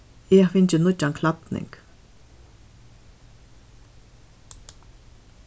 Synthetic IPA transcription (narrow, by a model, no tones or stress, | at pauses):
ɛfɪɲt͡ʃɪnʊt͡ʃːankʰlap̪nɪ̰ŋk